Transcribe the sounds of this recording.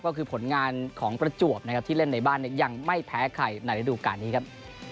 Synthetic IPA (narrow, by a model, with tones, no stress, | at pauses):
kːɔː˥˩kʰɯː˧pʰo˨˩˦nŋaː˧nkʰɔː˩˦ŋpɾa˧t͡ɕu˨˩əp̚na˦˥kʰa˦˥t̪ʰiː˥˩le˥˩nːa˧jbaː˥˩nːi˥˩əja˧ŋma˥˩jpʰɛː˦˥kʰa̰˨˩jna˧˩ɾa˧˩duː˧ka̰ː˧nːiː˦˥kʰa˦˥p̚